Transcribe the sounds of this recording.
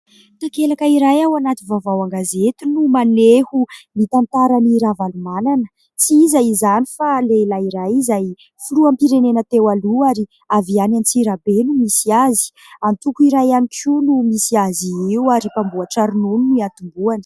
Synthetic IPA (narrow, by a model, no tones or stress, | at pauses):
t̪akelakəiɾajawanat̪ivavawaŋɡazet̪unumanehumit̪ant̪aɾaniɾavalumananə̥ | t͡siizaizanifaleilaiɾajizaj | fuluampiɾenenət̪ewaluaɾi | avianant͡siɾabenumisiazi̥ | ant̪ukuiɾajanikʲʰunumisiaziiwaɾipambuaʈ͡ʂaɾinununiat̪umbuanə̥